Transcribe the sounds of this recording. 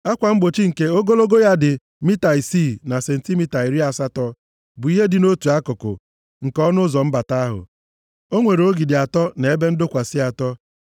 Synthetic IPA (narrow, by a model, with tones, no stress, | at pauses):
a˦kʷa˨m̩˦ɡ͡bo˨t͡ʃi˦ŋ̩˨ke˨o˦ɡo˦lo˦ɡo˦ja˦dɪ˨ | mi˦ta˨i˨si˦˨na˨se˨n̩˨ti˦mi˦ta˨i˨ɾi˦a˨sa˦tɔ˦ | bʊ˨i˦ɦe˦dɪ˨no˦tu˨a˦kʊ˨kʊ̰˨ | ŋ̩˨kɔ˦nʊ˦zɔ˨m̩˦ba˨ta˦a˦ɦʊ̰˨ | o˦ŋʷe˨ɾo˦ɡi˨dɪ˨a˨tɔ˦ne˨e˦be˦n̩˦dʊ˦kʷa˨sɪ˦a˨tɔ˦